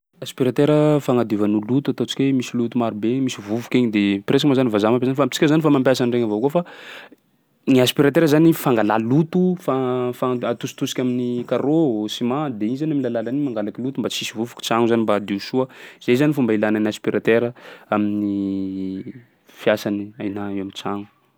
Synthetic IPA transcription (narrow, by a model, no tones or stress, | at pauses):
aspiɾat̪eɾəfaŋad̪ivanulut̪uat̪ot͡si̥kʲemisilut̪umaɾubemisivuvu̥kʲeɲid̪epɾes̬akmazanivazamampezanifamit͡si̥kʲəzanifamampjasanreŋavokofa | niaspiɾat̪eɾəzanifaŋɡalalut̪ufafaat̪usi̥t̪usi̥kʲaminikaɾosimad̪einizanamilalalanimaŋɡalakʲilut̪umbat͡sisivuvu̥kʲi̥t͡saŋuzanimbad̪eusuəiz̥ezanifumbailananiaspiɾat̪eɾəamini | fjasaniajnaewamint͡saŋu̥